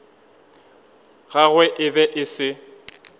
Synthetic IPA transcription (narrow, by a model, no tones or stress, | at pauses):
ɣaɣwɛʔɪbɛʔɪsɪ